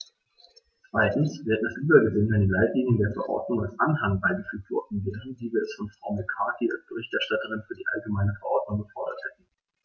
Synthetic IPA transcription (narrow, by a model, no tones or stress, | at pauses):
t͡sv̥aɪtn̩sv̥eːdədasʔyːbɐɡəvɪnandiːlaɪtliːŋʊŋdeːɐfɛɐʔɔ̰ɐdnʊŋa̰lsʔanhaŋbaɪɡəfyːk̚tv̥ɔ̰ɐdn̩veːʁənviːviːɐɛsfɔnfʁ̥aʊmɛkʰaːkia̰lsb̥əʁɪçtɛɐʃtatəʁ̞ɪnfyːɐdiːʔa̰lɡəmaɪnəfɛɐʔɔɐdnʊŋɡəfɔɐdɐthɛtn̩